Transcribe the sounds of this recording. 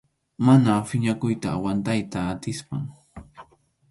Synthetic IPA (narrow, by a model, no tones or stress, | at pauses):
manafɪɲakʊjt̪aːwant̪ajt̪aːt̪ɪspa̰ŋ